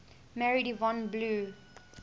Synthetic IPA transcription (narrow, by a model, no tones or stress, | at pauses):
mɛɹidivɔ̃nbluː